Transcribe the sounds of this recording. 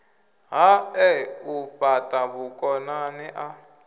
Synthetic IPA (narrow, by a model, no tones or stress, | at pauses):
ɦaɛuɸatʼaβukʼɔnaniʔa